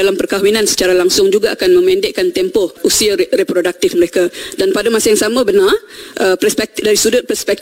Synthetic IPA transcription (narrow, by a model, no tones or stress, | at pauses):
alampərkawinãnsə̥t͡ʃaɾalaŋsʊŋd͡ʒuɡaʔakanmə̃mɛndɪʔkant̪ɛmpɔhusiarepɾodak̚t̪ɪfməɾekadanpadamasajaŋsamə̃bənarʔəpəspɛk̚t̪daɾisudʊt̪̚pərspɛk̪̚